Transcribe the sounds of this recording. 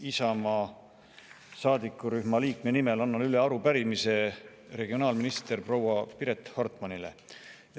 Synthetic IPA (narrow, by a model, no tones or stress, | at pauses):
isɑmɑ | sɑːd̪̥ikːˑuɾyhmɑliːkmenime̞lɑnːɑlyle̞ɑɾupæɾimise̞ | re̞ɡio̞nɑːlminist̪e̞rprowɑpiɾe̞t̪ːˑhort̪ˑmɑnilḛ